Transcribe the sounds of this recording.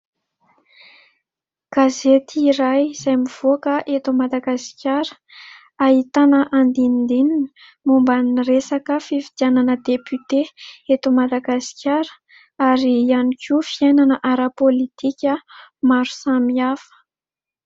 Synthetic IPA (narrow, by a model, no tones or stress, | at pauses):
ɡ̥azet̪iiɾajz̥ajmiv̥okəʔet̪umad̪aɡaskʲjaɾə̥ | aɦit̪anəʔand̪ind̪ininə | mumbanresakəfifid̪̥iananəd̪epyt̪eet̪umad̪aɡasi̥kʰʲjaɾə̥ | aɾiːanikʰʲufiajnanəʔaɾapolit̪ikʲəmaɾu̥samiafə̥